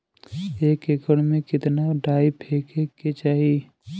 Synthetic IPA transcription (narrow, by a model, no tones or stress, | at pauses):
eːkekəɽmẽkɪt̪naɖaːipʰeːkeket͡ʃaːɦi